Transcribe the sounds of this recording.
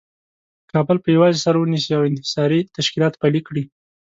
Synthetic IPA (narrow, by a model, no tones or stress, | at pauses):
kɑbəlpəjawɑzesaɾawənisiawɪnhɪ̥sɑɾit̪aʃkilɑt̪palikɽi